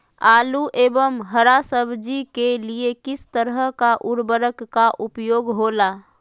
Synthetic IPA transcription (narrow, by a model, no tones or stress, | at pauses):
aːluʔeːbəmɦəɾasəbd͡ʒikeliekɪst̪əɾəɦəkaʔʊɾbəɾəkːaʔʊpjoːɡɦoːlaː